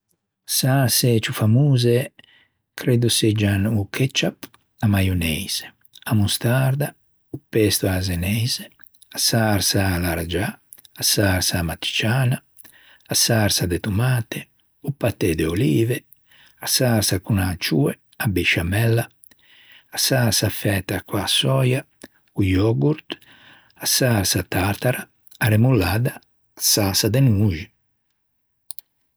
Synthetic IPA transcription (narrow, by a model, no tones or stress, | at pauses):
saɾset͡ʃufamuːze | kʰɾed̪used͡ʒanukʰɛt͡ʃap | amajonɛjz̥e̥ | amust̪aɾd̪a | upɛst̪oazenɛjze | asaɾsalaɾad͡ʒaː | saɾsamat̪ːi̥t͡ʃaːna | asaɾsad̪et̪umaːt̪e | upat̪ɛd̪ɛoliːve | asaɾsakunat͡ʃuːɛ | abɛʃamɛlːa | asaɾsafɛːt̪akwasɔːja | ujɔɡuɾt̪ | asaɾsat̪aɾt̪aɾaː | ɾemulːaːd̪aː | sasad̪ɛnuːʒi